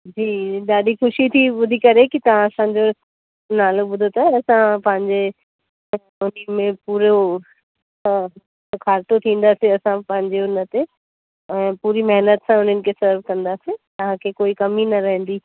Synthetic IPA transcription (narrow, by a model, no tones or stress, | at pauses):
d͡ʑiːɗaːɗixʊʃit̪ʰibʊd̪ʱikɐɾekit̪ɐʋ̤ãɐsãd͡ʑo | naːloɓʊd̪ʱot̪ʰaɛɐsãpɐ̃ɦɪ̃ɲd͡ʑe | ʊnəmẽpuːɾo | kʰaːɾt̪ot̪ʰĩːn̆d̪aseɐsãpɐ̃ɦɪ̃ɲd͡ʑeʊnət̪e | ɛ̃ːpuːɾimɛɦnət̪sãʊn̤ənɪ̆kʰesɐɾʋkɐ̃nd̪aset̪ɐʋ̤ãkʰekoːikɐminɐɾɐɦə̃n̆d̪iː